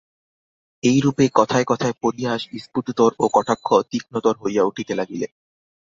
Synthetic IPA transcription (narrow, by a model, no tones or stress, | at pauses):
ejɾupekɔt̪ʰaekɔt̪ʰaepoɾiɦaʃbispuʈd̪oɾokɔʈʰakʰːot̪ik̚not̪oɾɦojauʈʰit̪elaɡile